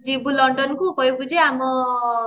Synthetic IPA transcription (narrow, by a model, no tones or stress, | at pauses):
d͡ʒibulɔɳɖɔnɔkukɔɦibud͡ʒeamɔ